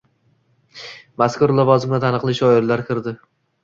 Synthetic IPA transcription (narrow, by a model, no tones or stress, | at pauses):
maskʊɾlˠɒvɒzɪmʲat̪ʰanɨqlˠɪʃɒɪɾlaɾkʲʰɪɾd̪ɪ